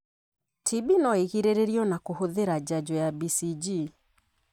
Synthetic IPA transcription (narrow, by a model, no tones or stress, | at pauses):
tʰibinɔeɣiɾeɾeɾiɔnakohoðeɾad͡ʑad͡ʒɔjabisid͡ʒi